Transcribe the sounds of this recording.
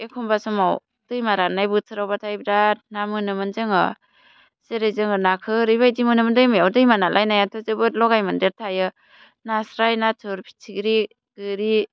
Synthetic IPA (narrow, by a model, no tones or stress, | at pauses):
ekʰɔmbasɔmaw | d̥ɯjmaɾanajbɯsʰɯɾawbatʰajbɾanamɯnɯmɯnzɯŋɯ | seɾajzɯŋɯnakʰɯɾɯjbajdimɯnɯmɯndɯjmɯjawdɯjmanalʔajnajatʰɯzɯbɯt̚lɔɡajmɯndeɾtʰajɯ | nasɾajnatʰɯɾpʰi̥tʰiɡɾi | ɡ̥ɯɾi